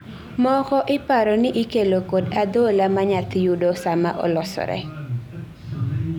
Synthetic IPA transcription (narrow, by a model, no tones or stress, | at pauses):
mɔkɔʔɪpaɾɔnɪʔikelokodad̪olamaɲat̪ɪjudosama̰ʔɔ̰lɔsɔ̰ɾɛ̰